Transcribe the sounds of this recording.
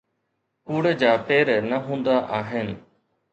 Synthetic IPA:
puːɽəd͡ʑaːpeːɾnəɦũːnd̪aʔaːɦenɪ̆

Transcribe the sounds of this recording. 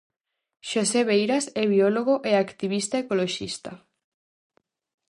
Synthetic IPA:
ʃoseβejɾasɛβioloɣ̞oʔeakt̪iβ̞ist̪aekoloʃḭst̪a

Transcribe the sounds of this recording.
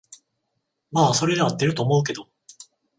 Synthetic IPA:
maːso̞ɾe̞d̪eat̪ːe̞ɾɯ̟t̪o̞ːmo̞ɯ̟k̬e̞d̪o̞

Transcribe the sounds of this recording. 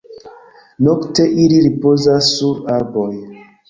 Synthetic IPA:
nokte̞ʔiliɾipozasːuɾaɾboj

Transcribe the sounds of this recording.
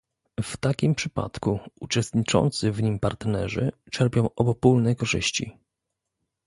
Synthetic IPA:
ft̪akʲimpʂɘpa̰t̪kuut͡ʂɛst̪ɲit͡ʂɔ̰nt̪sɘvɲimpaɾt̪nɛʐɘ̰t͡ʂɛɾpʲjɔ̃w̃ʔɔbɔpulnɛkɔʐɘ̰ɕt͡ɕḭ

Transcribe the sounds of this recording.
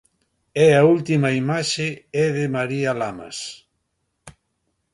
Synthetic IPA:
ɛault̪imɐimaʃɪɛðɪmaɾialama̰s

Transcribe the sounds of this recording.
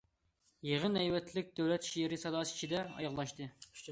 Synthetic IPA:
jeʁənɛjwɛt̪ʰlɪk̚ʲd̪̥øwlɛt̪ʃiɾɪsɑd̪ɑːsi̥t͡ʃʰid̪ɛɑ̰jɑʁlˠɑʃt̪ɨ

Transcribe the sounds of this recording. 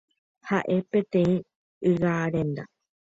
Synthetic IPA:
haʔe̞pẽ̞t̪ẽ̞ĩ | ɨɣaɾẽ̞nd̪a

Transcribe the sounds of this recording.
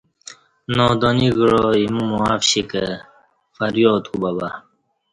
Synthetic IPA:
noːd̪oniɡiɻoimumuafɕikə | fɐɾjoːt̪kubaba

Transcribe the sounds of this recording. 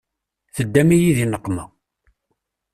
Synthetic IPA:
θəd̪ːæmijiðinəqːmæ

